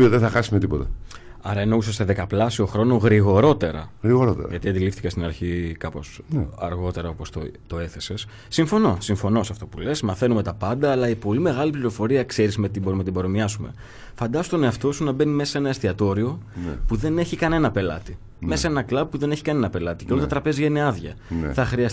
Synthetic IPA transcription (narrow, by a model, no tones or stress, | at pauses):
ioðeθɐxɐsumet̪ipo̞t̪ɐ | ɐɾɐeno̞usost̪eðe̞kɐplɐsio̞xɾo̞noɣɾiɣo̞ɾo̞t̪e̞ɾɐ̰ɣɾiɣoɾot̪ḛɾɐ̰ʝɐt̪iɐnd̪ilifθikɐst̪inɐɾçikɐpo̞snɐ̰ɾɣo̞t̪e̞ɾɐo̞po̞st̪ot̪o̞e̞θe̞se̞sːiɱfo̞no̞siɱfo̞no̞sɐft̪o̞pule̞smɐθe̞nume̞t̪ɐpɐnd̪ɐːlɐipo̞lime̞ɣɐlipliɾo̞fo̞ɾiɐkseɾismet̪iboɾumnɐt̪ibo̞ɾomɐsume̞̰ | fɐnd̪ɐsost̪o̞ne̞ɐft̪o̞sunɐbe̞nime̞sɐenɐest̪iɐt̪o̞ɾio̞puðe̞ne̞çikɐne̞nɐpe̞lɐ̰t̪i | mesɐe̞nɐklɐb̚pːuðe̞neçi̥kɐne̞nɐpe̞lɐt̪i̥ceo̞lt̪ɐt̪ɾɐpe̞ziʝeneɐðʝɐ̰θɐxɾiɐs